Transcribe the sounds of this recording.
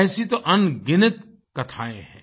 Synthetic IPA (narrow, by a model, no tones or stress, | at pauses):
ɛːsit̪oʔɐnɡɪnɪt̪ | kɐt̪ʰaːḛ̃ɦɛ̰̃ː